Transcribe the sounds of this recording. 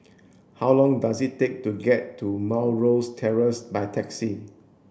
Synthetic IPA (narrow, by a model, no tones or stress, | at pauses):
hawlɔ̃ŋdasitːek̚tuɡɛtʰːumawɹostʰɛɹəsbajtʰɛksi